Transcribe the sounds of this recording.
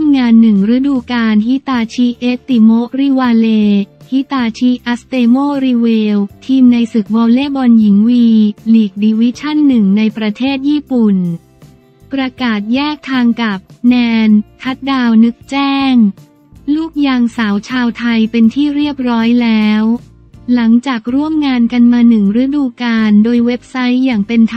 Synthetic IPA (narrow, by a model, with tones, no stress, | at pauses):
tʰa˧˥˧mŋaː˧nːɯ˨˩ŋɾa˦˥duː˧kaː˧nɦi˦˥t̪aː˧t͡ɕʰiː˧˥ʔeː˦˥t̪i˧˩moː˦˥ɾi˧waː˧leː˧hi˦˥t̪aː˧t͡ɕʰiː˦˧˥ʔa˦˥st̪eː˧moː˥˩ɾiː˧weː˧wt̪ʰiː˧mna˧jsɯ˨˩k̚bɔː˧wleː˥˩bɔ˧nji˩˦ŋwiː˧liː˨˩k̚diː˧wi˦˥t͡ɕʰa˥˩nːɯ˨˩ŋna˧jpɾa˧t̪ʰeː˥˩t̪̚jiː˥˩pu˨˩n | pɾa˧kaː˨˩t̪̚jɛː˥˩k̚t̪ʰaː˧ŋka˨˩p̚nɛː˧nk̪ʰa˦˥t̪̚daː˧wnɯ˦˥k̚t͡ɕɛː˥˩ŋ | luː˥˩k̚jaː˧ŋsaː˩˦wt͡ɕʰaː˧wt̪ʰa˧jpe˧nt̪ʰiː˥˩ɾi˥˩əp̚ɾɔː˦˥jlɛː˦˥w | la˩˦ŋt͡ɕaː˨˩k̚ɾu˥˩əmŋaː˧nka˧nmaː˧nɯ˨˩ŋɾɯ˦˥duː˧kaː˧ndoː˧jwe˦˥p̚sa˦˥jːaː˨˩ŋpe˧nt̪ʰ